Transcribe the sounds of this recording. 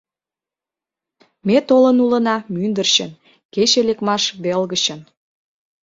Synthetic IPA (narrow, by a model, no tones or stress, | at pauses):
met̪olənulənɑmynd̪ərɕən | ket͡ɕelekmɑʃβelɣəɕən